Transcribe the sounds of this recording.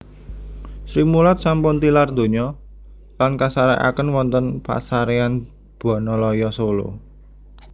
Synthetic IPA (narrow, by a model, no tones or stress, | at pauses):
sɾimulat̪̚sampʊnt̪ilard̪o̤ɲɔ | lankasaɾa̰ʔa̰kənwɔnt̪ənpa̰saɾean | b̥a̤nɔlɔjɔsolo̰